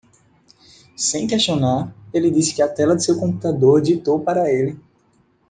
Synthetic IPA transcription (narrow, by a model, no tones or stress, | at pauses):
sẽj̃kɛʃt̪ionaɾelɪd̪isɪ̥kɪɐt̪ɛlɐd̪ɪsewkõmput̪ad̪oɾd͡ʒit̪opaɾɐelɪ